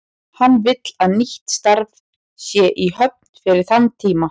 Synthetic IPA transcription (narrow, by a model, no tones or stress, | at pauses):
hanːvɪt̪laðniht̪st̪aɾð | sjɛʔiɦœp̚n̥fɪɾɪɾ̥θant̪ʰiːma